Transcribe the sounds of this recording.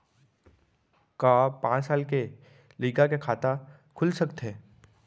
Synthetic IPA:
kaːpãːt͡ʃsaːlke | liːkakekʰaːt̪a | kʰʊlsɐkt̪ɦɛː

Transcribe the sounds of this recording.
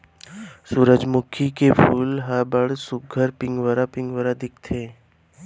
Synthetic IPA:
suːɾəd͡ʒmʊkʰikepʰulɦəbəɽsʊɡʱəɾpɪŋɡʋəɾapɪ̃ŋɡʋəɾad̪ɪkʰt̪ʰeː

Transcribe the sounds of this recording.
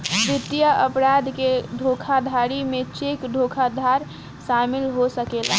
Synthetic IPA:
pɾɪt̪jəəpɾaːd̪ʱkeɖʱokʰad̪ʱaɾimẽt͡ʃekɖʱokʰad̪ʱaɾ | ʃaːmɪlɦosəkeːla

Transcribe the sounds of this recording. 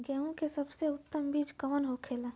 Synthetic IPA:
ɡɛːõkesəbseʊt̪ːəmbiːd͡ʒkəmənɦokʰeːla

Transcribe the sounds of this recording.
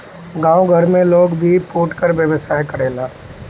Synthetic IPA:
ɡãːʊɡʱɐɾmẽloːɡbʱipʰoːʈkəɾʋjəʋəsaːjkɐɾeːlaː

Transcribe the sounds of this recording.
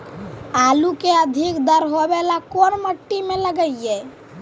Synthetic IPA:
aːlukeəd̪ʱikd̪əɾɦobelakonməʈːimẽləɡəije

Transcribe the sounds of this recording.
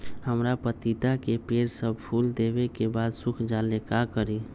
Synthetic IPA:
həmɾapət̪it̪akepeɾsəbpʰuld̪ebekebad̪sʊkʰd͡ʒalekakəɾi

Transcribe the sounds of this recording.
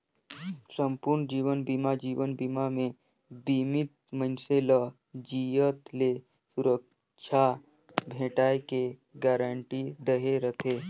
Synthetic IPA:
səmpuɾnd͡ʒiːʋənbimad͡ʒiːʋənbimamẽ | bimit̪̚mənselə | d͡ʒijət̪le | suɾək̚ | t͡ʃʰa | bʱẽːʈaːekeɡaɾəɳʈid̪əɦeɾət̪ʰe

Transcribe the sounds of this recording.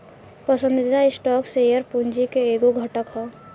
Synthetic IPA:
pəsə̃nd̪ɪd̪aɪsʈɔːksejəɾpuɲd͡ʒikeeːɡoɡʱəʈəkɦɛː

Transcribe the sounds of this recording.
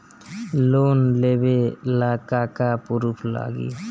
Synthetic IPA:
lonlebelakakapuɾupʰla̰ɡḭ

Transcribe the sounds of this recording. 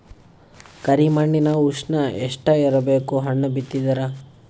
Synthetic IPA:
kɐɾimɐɳːinɐuʂnɐɛʂʈɐiɾɐbeːkuɦɐɳːɐbit̪ːid̪ɐɾɐ

